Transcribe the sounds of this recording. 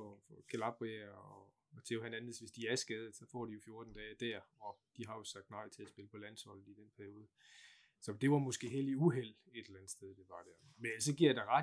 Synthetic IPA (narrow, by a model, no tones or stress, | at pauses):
ɒfɒkʰelɑ̈b̥ʁiæɒ | t͡sʰeːʊɦænænð̩ˠsʋe̝sd̥iæɐsɡ̥ɛːð̞̩ˠsɒ̽fɒ̰ːd̥ijo̝fjo̝ɐd̥n̩d̥ɛːɪd̥æɐ̰ɒ̽d̥iɦɑ̈jo̝sɑ̈ɡ̥̚d̥nɑ̈ɪ̰t͡sʰe̝æsb̥e̝ləpʰɒ̽læn̰shɒ̽l̰n̩id̥enpʰæɐio̝ːð̞ˠ | sɒ̽d̥e̝ʋɑ̈mɔ̽sɡ̥e̝̰ːɦeliuɦel̰ | e̝d̥elænð̩̥ˠsd̥eðˠd̥e̝ʋɑ̈d̥æɐ | menlsɒ̽ɡ̥iɐd̥ɑ̈ʁɑ